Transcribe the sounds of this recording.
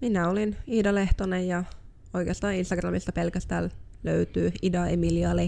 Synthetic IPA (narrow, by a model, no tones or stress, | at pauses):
minæoliniːdɑleht̪onejjɑ | oikeɑst̪ɑːninst̪ɑɡrɑ̰mist̪ɑpelkæst̪æ̰ːl | lø̰yt̪yːidɑemiliɑli